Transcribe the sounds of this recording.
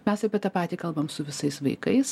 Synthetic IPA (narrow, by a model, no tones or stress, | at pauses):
mʲɛsɐpʲiɛt̪ɐpɑːt̪ʲiːkɐlˠbɐmsʊʋʲɪsɐɪsʋɐ̰ɪkɐɪs